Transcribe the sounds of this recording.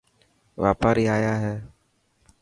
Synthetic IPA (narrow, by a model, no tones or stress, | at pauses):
ʋaːpaːɾiːaːjaːɦɛː